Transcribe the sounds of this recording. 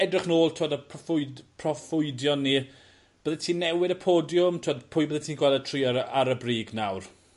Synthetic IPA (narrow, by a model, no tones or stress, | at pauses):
ɛdrɪχnoːlˠtʰoːdəpʰɔfʊjpʰrɔfʊɨdjɔnːi | b̥əðɛtʰiːnːɛwɪdəpʰoːdjʊmtʰoːdpʰʊːjbəðɛntʰiːnɡwɛlˠɛtʰriːɔɾaɾəbriːɡnawr